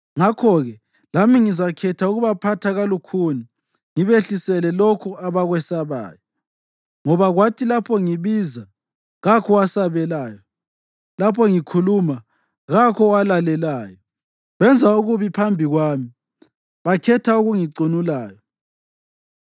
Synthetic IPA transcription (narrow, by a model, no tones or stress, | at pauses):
ŋakʰɔɣɛ | lamiŋizakʰɛtʰauɣuβapʰatʰaɣalukʰuni | ŋiβeɬisɛlɛlɔkʰɔaβaɣwɛsaβa̰ːjɔ | ŋɔβaɣwatʰilapʰɔŋiβiːza | ɣakʰɔwasaβɛlaːjɔ | lapʰɔŋikʰuluma | ɣakʰɔwalalɛlaːjɔ | βɛnd͡zʱauɣuβipʰambʱiɣwaːmi | βakʰɛtʰauɣuŋiǀonulaːjɔ